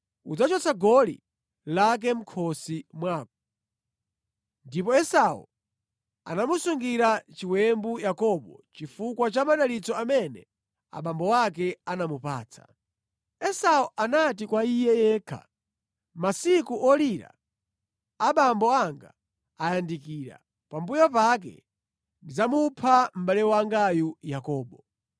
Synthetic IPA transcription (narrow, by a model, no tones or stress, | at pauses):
ud͡zat͡ʃɔt͡sʰaɡɔlḭ | lak̬ɛm̩kʰɔsimwaːk̚ɔ̥ | ndipɔɛsaṵ | a̰namusuŋɡiɾat͡ʃiwɛmbujakɔɓɔ̰t͡ʃifukwat͡ʃamaɗalit͡sɔamɛnɛ̰ | a̰ɓambɔwak̬ɛanamupa̰ːt͡sʰa̰ | ɛsaɔʔanatikwaijɛjɛːkʰa̰ | masikuʔɔliɾa̰ | aɓambɔaŋɡa̰ː | jandikiːɾa̰ | pambujapak̬ɛ̰ | ndid͡zamupʰam̩ɓalɛwaŋɡajujakɔːɓɔ